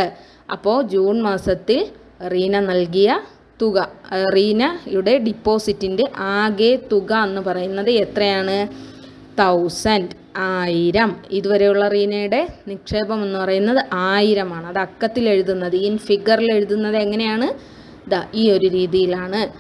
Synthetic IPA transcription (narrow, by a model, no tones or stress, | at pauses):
ɐ̰pːo̞ːd͡ʑuːnmaːsɐt̪ːil | riːnɐnɐlk̬ijɐ | t̪uɣɐriːnɐjuɽe̞ɖipːo̞ːsitːinde̞ʔaːɡet̪uɣɐenːɨpɐrɐjunːɐðɨet̪rɐjaːɳɨ | t̪ʰɐwsɐnd | aːjiɾɐmiðuʋɐɾe̞juɭːɐriːnɐjuɽe̞nikʂe̞ːbɐme̞nːɨpɐrɐjunːɐðɨʔaːjiɾɐmaːɳɨɐðɐkːɐt̪ːile̞ɻuðunːɐðɨinfiɡɐrile̞ɻuðunːɐðeŋːɐne̞jaːɳɨ | d̪ɐʔiːo̞ɾuɾiːðijilaːɳɨ